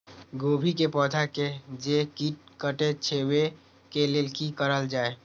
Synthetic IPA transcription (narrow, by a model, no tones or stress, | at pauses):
ɡoːbʱikepɔːd̪ʰʱaked͡ʒekiːʈ̚kəʈet͡ʃʰeːwe | kelelkikəɾəld͡ʒaːe